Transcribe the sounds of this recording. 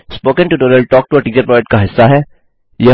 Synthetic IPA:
spoːkə̃nʈuːʈoɾəlʈɔːk̚ʈuɐʈiːt͡ʃəɾpɾɔːd͡ʒɛk̚ʈ̚kaɦɪsːaɦɛː | jɐ

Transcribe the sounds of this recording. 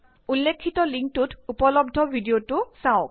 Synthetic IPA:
ulːekʰːitɔliŋk̚tutupɔlɔbdʱɔbʱidiotʊsaʊk

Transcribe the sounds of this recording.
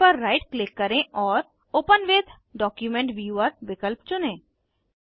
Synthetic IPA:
pəɾːajʈklɪkːəɾẽʔɔːɾ | opənʋed̪ʰʱ | ɖɔkjumẽɳʈʋjuəɾʋɪkəlpt͡ʃunẽ

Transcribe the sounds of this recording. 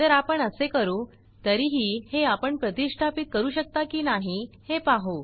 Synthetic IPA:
əɾapəɳəsekəɾuː | t̪əɾiːɦiːheapəɳpɾət̪iʂʈʰapit̪̚kəɾuːɕək̚t̪akiːnaɦihepaɦo

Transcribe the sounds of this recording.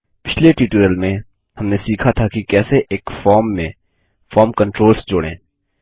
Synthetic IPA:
pɪt͡ʃʰleʈiːʈuɾəlmẽ | hɐmnesiːkʰat̪ʰakikɛːseʔeːkfɔːɾmːẽ | fɔːɾmkɐ̃ɳʈɾoːlsd͡ʒʊːɽḛ̃ː

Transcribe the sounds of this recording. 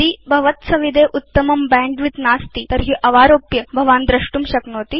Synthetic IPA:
iːbʱɐʋɐt̪sɐʋid̪ʱeʔut̪ːɐmɐmbɛ̃ːɳɖʋit̪naːst̪iːt̪ɐɾɦiːʔɐʋaːɾoːpjɐbʱɐʋaːnd̪ɾɐʂʈumɕɐknoːt̪iː

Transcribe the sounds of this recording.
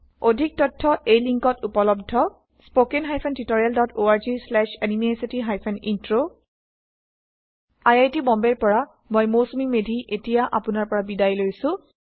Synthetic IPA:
odʱik̚tɔtʰːɔʔejliŋkɔtupɔlɔb̚dʱɔ | spokɛnɦajpʰɛntitoɹijaldɔtʰoaɹzislɛʃanimesitiɦajpʰɛnintɹo | ajajtibɔmbɛɹpɔɹa | mojmosomimedʱiʔetijaʔapʊnaɹpɔɹabidajlojsʊ̃

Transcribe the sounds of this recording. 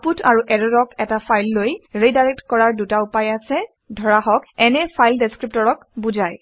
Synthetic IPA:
putʰaɹuʔɛɹɔdɔkɛtapʰajlːojɹejdajɹɛk̚tkɔɹaɹdutaupajasɛ | dʱɔɹaɦɔkɛnɛpʰajldeskɹip̚tɔɹɔk̚buzaj

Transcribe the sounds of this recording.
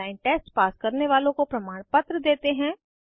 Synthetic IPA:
aːɪ̃ɳʈeːsʈpaːskɐɾneʋaːlõkopɾɐmaːɽ̃pɐt̪ɾəd̪eːt̪eɦɛ̃ː

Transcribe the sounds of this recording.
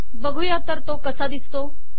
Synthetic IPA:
bəɡʱujaːt̪əɾt̪okɐsad̪ɪst̪oː

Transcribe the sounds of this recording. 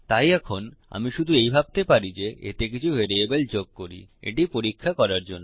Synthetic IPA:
t̪ajɛkʰona̰miʃud̪ʱuejbʱab̚t̪epaɾid͡ʑeʔḛt̪ek̬it͡ɕʰuɦeɾeebeld͡ʑoɡ̚koɾḭḛʈipoɾikʰːakɔɾaɾd͡ʑonːo

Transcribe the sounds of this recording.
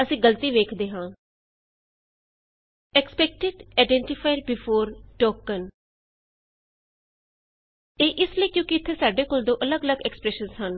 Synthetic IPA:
əsĩːɡəlt̪iːʋeːkʰd̪eːɦãː | ɛkspɛːk̚ʈɪɖaɪɖɛ̃ːɳʈɪpʰaːɪɖbɪpʰoːɾʈɔːkːən | eːʔɪsləiːkjõːkiɪt̪ʰːeːsaːɖeːkoːld̪õːʔələɡələɡɛːkspɾɛːʃənzɦən

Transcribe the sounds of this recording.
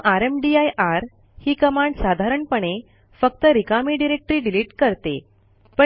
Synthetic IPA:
ʔaɾemɖiajʔaɾ | hiːkəmaɳɖsad̪ʱaɾəɳpəɳe | fək̚t̪əɾikamiːɖiɾek̚ʈɾiːɖiliʈkəɾt̪ḛ | pə

